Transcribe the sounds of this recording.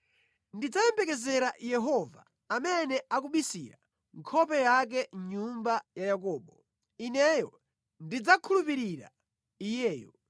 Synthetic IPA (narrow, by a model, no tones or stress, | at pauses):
ndid͡zajɛmbɛkɛzɛɾajɛɦɔva̰ː | mɛnɛʔakuɓisḭɾa̰ | ŋkʰɔpɛjak̬ɛɲumbajajakɔːɓɔ | inɛjɔ | ndid͡zakʰulupiɾiɾa̰ | ijɛːjɔ